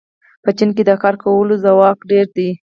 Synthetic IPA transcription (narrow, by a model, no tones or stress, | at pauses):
pət͡ʃink̬ed̪əkɑɾkawəlozawɑkɖeɾd̪i